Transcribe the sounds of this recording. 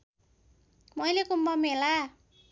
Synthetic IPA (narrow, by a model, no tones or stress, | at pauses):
mʌjlekumbʌmela